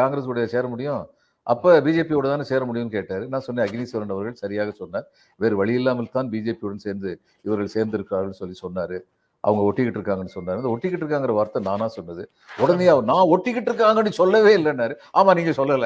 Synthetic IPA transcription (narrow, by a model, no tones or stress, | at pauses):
kaːŋɡɾeːskɔɽɐjaseːɾɐmʊɽɪjʊ̃ | ʔɐ̰pːɐːbiːd͡ʒeːpijoːɽɐnt̪aːnɯseːɾɐmʊɽɪjʊ̃mkeːʈːaːɾɯnãːsɔnːeɐɡniːsɐɾɐɳɖɐʋɐɾɣɐɭsɐɾɪjaːɣɐsɔnːaːɾ | ʋeːɾɯʋɐɭɪjɪlːaːmɐlt̪aːnbiːd͡ʒeːpijoːɽɐnseːɾnd̪ɯ | ɪʋɐɾɣɐɭseːɾnd̪ɪɾɯkːɯɾaːɣɐɭnːɯsɔlːisɔnːaːɾɯ | ʔɐ̰ʋɐŋɡɐɔʈːɪkːɪʈːɪɾɯkːaːŋɡɐnːɯsɔnːaːɾɯɐnd̪ɐɔʈːɪkːɪʈːɾɯk̬ːaːŋɡɪɾɐʋaːɾt̪ːɐnaːnãːsɔnːɐðɯ | ɔɽɐnd̪ɐjaːnãːɔʈːɪkːɪʈːɪɾɯk̬ːaːŋɡɐnːɯsɔlːɐʋeːɪlːɛnːaːɾɯaːmaːniːŋɡɐsɔlːɐlɐ